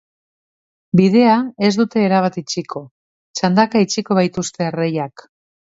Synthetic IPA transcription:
bið̞e̞ae̞zd̪ut̪e̞ːɾaβ̞at̪it͡ʃikʰo̞ | t͡ʃand̪akait͡ʃiko̞β̞ajt̪ust̪e̞rejak

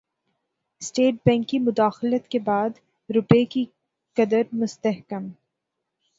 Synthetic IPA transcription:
sʈeːʈ̚bɛ̃ːŋkːimʊd̪aːxlət̪kebaːd̪ | ɾʊpeːki | kɐd̪əɾmʊst̪əɦkəm

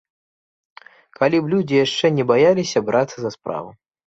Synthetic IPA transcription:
kalʲiblʲud͡zʲijaʂt͡ʂɛnʲɛbajalʲisʲɐbɾʔat̪sːɐzɐspɾa̰vɨ

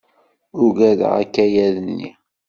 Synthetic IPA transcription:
ʊʝæðə̰ʁæ̰kːæjæðənːḭ

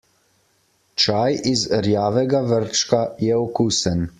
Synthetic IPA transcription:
t͡ʃaːjizɾjaːʋɛɡaʋəɾt͡ʃkajɛɔkuːsən

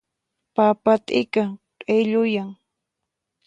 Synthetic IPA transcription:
papat̪ʼɪkaŋtʼejʎʊjaŋ

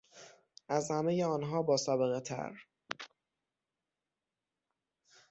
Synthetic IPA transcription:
ʔæzhæmejeɒːnɦɒːbɒːsɒːbeɣet̪ʰæ̰ɾ

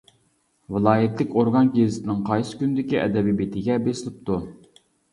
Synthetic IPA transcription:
vɨlˠɑːjɪt̪lɪkʲoɾɡɑnkʲezɪt̪ʰɪnɪŋqʰɑjsɨ̥kʲynɪd̪ɪkʲiʔɛ̰d̪ɛbibet̪ʰɪɡʲɛbesɪlɪp̚t̪ʰu

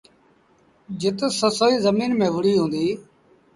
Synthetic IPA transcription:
d͡ʒɪt̪səsoːiːzəmiːnmẽːʋʊɽiːɦũːnd̪iː

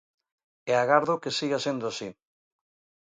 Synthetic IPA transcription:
eaɣaɾðokesiɣasend̪oasi

